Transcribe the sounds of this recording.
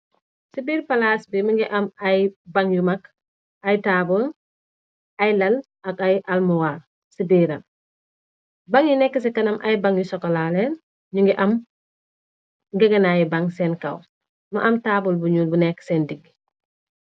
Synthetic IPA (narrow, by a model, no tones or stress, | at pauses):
sibiːɾpɐlaːsbimɐŋɡɛʔɐmɐjbaŋjumɐk | ɐjtaːbul | ɐjlɐl | ɐkɐjʔɐlmuwaːr | sibiːɾɐl | bɐŋjinɛkːəs̬ɛkɐnɐmʔɐ̰jbɐŋjusɔkɔlalɛn | ɲuŋɡɛʔɐm | ŋɡɛɡɐnajibɐŋsɛnkɐw | mɐ̰ʔɐmtaːbulbuɲuːlbunɛkːsɛndiɡː